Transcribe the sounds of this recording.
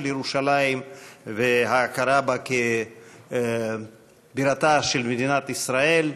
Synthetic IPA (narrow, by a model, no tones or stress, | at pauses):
ljeɾuʃalaimveɦaːkaɾabake | biɾat̪aʃelmed̪inat̪isɾae̞l